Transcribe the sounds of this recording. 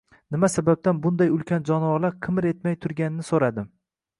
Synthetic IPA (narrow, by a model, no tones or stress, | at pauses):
nɪmasabap̚t̪anbʊnd̪ajʊlˠkʲʰand͡ʒɒnɒlaɾqʰɨmɪɾe̞t̪majt̪ʰʊɾɡʲanɪnɪsoɾad̪ɪm